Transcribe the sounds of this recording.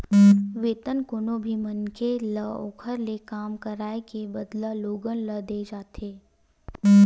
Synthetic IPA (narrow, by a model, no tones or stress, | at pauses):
ʋeːt̪ənkʊnõbʱimənkeləo̰ːkʰəɾlekaːmkəɾaːekebəd̪laloːɡənləd̪eːd͡ʒaːt̪eː